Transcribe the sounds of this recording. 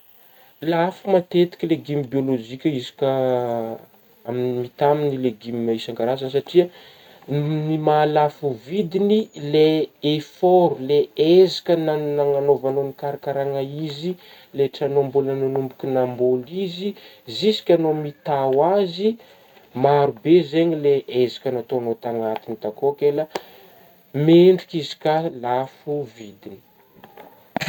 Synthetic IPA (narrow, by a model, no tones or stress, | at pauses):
lafumat̪et̪i̥kʲleɡimibiolod͡ʒikʲəizi̥kʲə | aminimit̪aminileɡimmaisaŋɡaɾazansaʈ͡ʂia | nimalafuvid̪inileefoɾuleezḁkʲənanaŋanovanonikaɾakaɾaŋaizi | leʈ͡ʂanombulənanumbukʲinambolizizisi̥kʲanomit̪awazi | maɾubezeɲileʔezḁkʲənat̪oanot̪aŋat̪init̪akokela | meɳɖ͡ʐukizi̥kalafuvid̪ini̥